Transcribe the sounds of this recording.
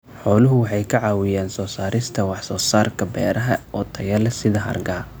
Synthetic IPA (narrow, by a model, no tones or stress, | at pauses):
ħɔːlʊɦʊwɑħɑjkʰɐʕɑːwɪjɛːnsɔːsaːɾɪst̪ʰɐwɑħsɔːsaːrkʰɐbɛːɾɐɦɐɔːt̪ʰɐjɛlɛsɪðɐɦɐ̰rɡaː